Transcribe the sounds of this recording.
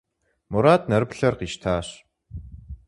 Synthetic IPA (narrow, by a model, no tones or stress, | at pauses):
mʊɾaːt̪̚nɐɾpɬɐrqiːʃt̪ʰaːɕ